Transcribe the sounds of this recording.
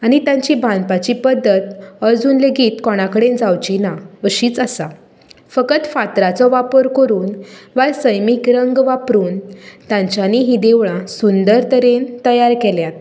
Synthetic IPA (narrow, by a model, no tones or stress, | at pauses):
aɽ̃it̪jãɲt͡ɕibʱãnpat͡ɕipəd̪ːət̪əd͡zuːnleɡiːt̪kɔɽ̃akəɽend͡zawt͡ɕinaəɕiːt͡səsa | fəkət̪fat̪ɾat͡sɔʋapəɾkəɾuːnʋaɾsəjmikɾəŋɡʋapɾuːnt̪jãɲt͡ɕjaniɦid̪eʋɭãsund̪əɾt̪əɾent̪əjaɾkeljat̪